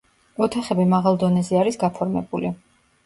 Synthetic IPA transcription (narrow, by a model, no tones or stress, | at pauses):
ɔt̪ʰaχɛbimaʁalˠd̪ɔnɛzɛaɾisɡapʰɔɾmɛ̰buli